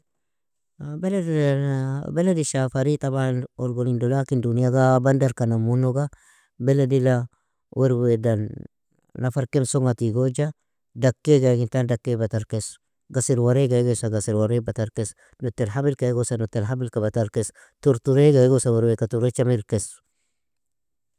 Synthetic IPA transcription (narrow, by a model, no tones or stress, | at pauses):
beled | bɛladiʃafaɾitabanoɾɡolindolakindunijaɡabandaɾkanamunoɡa | bɛledila | wʔeɾwedanː | afaɾkemsoŋatiɡod͡ʒa | dakːeɡaɡintandakːebataɾkes | ɡasiɾwaɾeɡaɡosaɡasiɾwaɾebataɾkes | notːelɦabilkaeɡosanotːelɦabilkabataɾkes | tuɾtuɾeɡaɡosawɛɾwekatuɾet͡ʃamiɾkes